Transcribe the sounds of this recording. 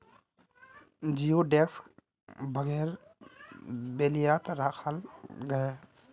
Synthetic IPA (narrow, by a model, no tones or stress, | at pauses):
d͡ʒijoɖeksk | bʱəɡɛːɾ | beːlijaːt̪ɾaːkʰəlɡəe